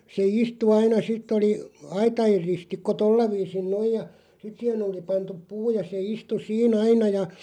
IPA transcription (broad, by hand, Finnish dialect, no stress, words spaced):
se istu ɑinɑ sitˑ oli ɑitɑer ristikːo tolːɑ ʋiːsin noij̆ jɑ sit siːhen oli pɑntup puː jɑ se istu siːn ɑinɑ jɑ